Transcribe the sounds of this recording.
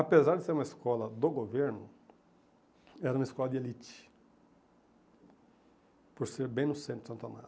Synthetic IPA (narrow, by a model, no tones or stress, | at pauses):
apezaɾd̪ɪseɾumɐeskɔlɐd̪oɡoveɾnʊ | ɛɾɐũmɐiskɔlɐd̪ɪelit͡ʃɪ̥ | poɾseɾbẽj̃nʊsẽt̪ʊ̥sɐ̃nt̪a̰ma̰d̪ʊ